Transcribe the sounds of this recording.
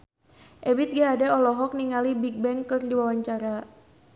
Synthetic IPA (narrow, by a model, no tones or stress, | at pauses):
ʔɛbit̪̚ɡaɦadɛɔlɔɦɔk̚niŋalibik̚bɛŋkɨrdiwawaɲt͡ʃaɾa